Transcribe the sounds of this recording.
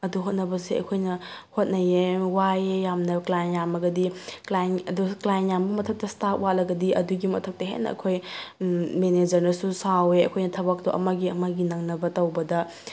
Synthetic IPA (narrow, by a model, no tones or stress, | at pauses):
ɐduɦot̚nɐbɐsiɐ̰jkʰojnɐ | hot̚nɐjewajejamnɐklajnjamɐɡɐdiklajnɐduklajnjambɐmɐtʰɐk̚tɐstapwalɐɡɐdiɐduɡimɐtʰɐk̚tɐɦḛnːɐ̰ɐ̰kʰoj | mened͡ʒɐɾnɐsusaweɐ̰kʰojnɐtʰɐbɐk̚doʔɐ̰mɐɡiɐmɐɡinɐŋnɐbɐtɐwbɐdɐ